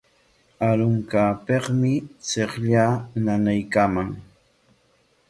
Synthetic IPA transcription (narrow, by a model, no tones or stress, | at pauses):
aɾʊŋkapeχmɪseχʎananajkamaŋ